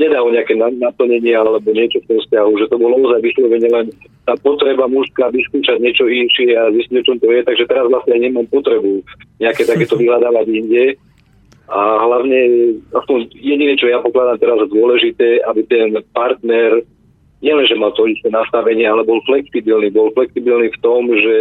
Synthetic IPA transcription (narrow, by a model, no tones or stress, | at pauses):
ɲɛd̪aɔɲɛakɛnanapl̩ɲɛɲɪɛalɛbɔɲɪɛt͡ʃɔft̪ɔmfscaɦuʒɛt̪ɔbɔlɔzajʋislɔʋɛɲɛlɛnt̪aːpɔt̪ɾɛbamuʃskaʋiskuːʃaɟɲɪɛt͡ʃɔinʃɪɛazisciɔt͡ʃɔmt̪ɔjɛt̪aɡʒɛt̪ɛɾazʋlasɲɛaɲɛmaːmpɔt̪ɾɛbuɲɛakɛt̪akɛːt̪ɔʋiɦlad̪aːʋaɟiɲɟɛ | aɦlaʊɲɛɛaspɔnjɛɟinɛt͡ʃɔjapɔklad̪amt̪ɛɾazd̪ʊɔlɛʒit̪ɛːʔabit̪ɛnpaɾt̪nɛɾ | ɲɛlɛnʒɛmalt̪ɔist̪ɛnast̪aʋɛɲɪɛalɛbɔlflɛksibilniːbɔlflɛksibilnift̪ɔmʒɛ